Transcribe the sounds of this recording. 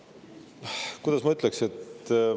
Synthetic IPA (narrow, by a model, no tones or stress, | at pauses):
kujd̪̥ɑsmɑyt̪ːˑlekset̪